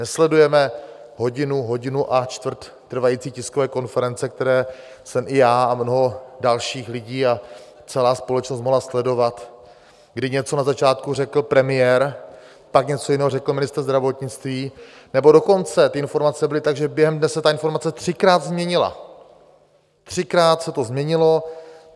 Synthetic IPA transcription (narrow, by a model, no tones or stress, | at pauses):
nɛslɛdujɛmɛ | ɦo̞ɟɪnuɦo̞ɟɪnuʔat͡ʃt̪vr̩t̪ːr̩vajiːt͡siːcɪskovɛːko̞nfɛɾɛnt͡sɛkt̪ɛɾɛː | sɛmʔɪjaːamno̞ɦo̞dalʃiːxlɪɟiːa | t͡sɛlaːspo̞lɛt͡ʃnos̬t̪moɦlaslɛdo̞vat̪ | ɡdɪɲɛt͡so̞nazat͡ʃaːt̪kurɛkl̩pɾɛmɪjɛɾ | pakɲɛt͡so̞jɪnɛːɦorɛkl̩mɪnɪst̪ɾ̩zd̪ɾavo̞t̪ɲɪt͡st̪viː | nɛbo̞do̞ko̞nt͡sɛt̪ɪɪnfo̞ɾmat͡sɛbɪlɪt̪aɡʒɛbjɛɦɛmdnɛsɛt̪aɪnfo̞ɾmat͡sɛt̪r̝̥ɪkɾaːt̪zmɲɛɲɪla̰ | t̪r̝̥ɪkɾaːt̪sɛt̪o̞zmɲɛɲɪlo̞